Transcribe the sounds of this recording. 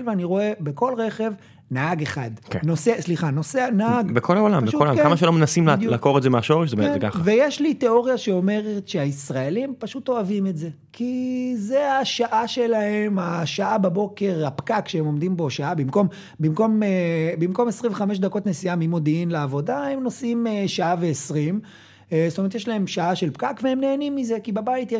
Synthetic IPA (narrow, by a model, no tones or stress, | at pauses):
lveaniʁo̞e̞beko̞lʁeχe̞v | naaɡeχadkenosesliχano̞seanaaɡbekʰolaolampabʃukolamkamaʃelomenasimlealako̞ʁedzemeaʃo̞ʁeʃzebeeeka̰χavejeʃlite̞o̞ʁjaʃeo̞me̞ʁetʃeaisʁaelimpaʃuto̞avimetze̞ | kʰizeaʃaʔaʃe̞lahe̞maʃaʔababo̞ke̞ʁhapkakʃeemo̞md̪imbo̞ʃaabimkom | bimko̞mebimko̞mesʁĩmveχameʃ̬dako̞tnesijamimo̞d̪iinleavo̞dahemno̞simeʃaaveːsʁim | stomeet̪jeʃlae̞mʃaaʃelpkakveemneːnimːize̞kibebaitje